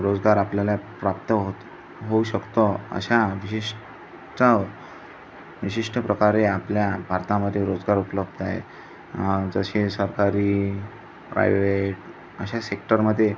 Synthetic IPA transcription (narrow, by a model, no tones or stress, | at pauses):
ɾod͡zɡaɾapljalapɾap̚t̪əɦot̪ | ɦouɕəkt̪oə̰ɕaʋiɕiʂ | tə | ʋiɕiʂʈəpɾəkaɾeapljabʱaɾt̪aməd̪ʱːjeɾod͡zɡaɾupələb̚d̪a̰ɦḛ | d͡zəɕisəɾkaɾiː | pɾa̰jʋeʈ | əɕasekʈəɾməd̪ʱːje